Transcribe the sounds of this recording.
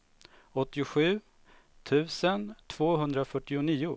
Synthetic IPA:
ɔt̪ːɪʊɧʉ̟ː | t̪ʰʉ̟ːsənt̪ʰvoːɦɵnd̪ɾafœʈːɪʊniːʊ

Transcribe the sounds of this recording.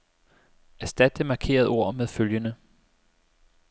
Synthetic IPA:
æsd̥æd̥emɑ̈kʰe̝̰ːɐðˠo̝ɐ̰meðˠføljənə

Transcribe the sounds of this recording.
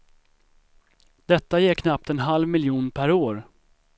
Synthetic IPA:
d̪̥ɛt̪ːajɛkʰnap̚t̪ɛnɦalvmɪljuːnpʰæɾoːɾ

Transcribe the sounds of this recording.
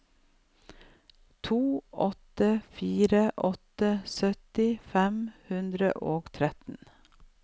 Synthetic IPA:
t̪ʰuːʔɔt̪əfiːɾəʔɔt̪əsœt̪ɪfɛmhʉnd̪ɾə̰ʔoːɡt̪ʰɾɛt̪n̩

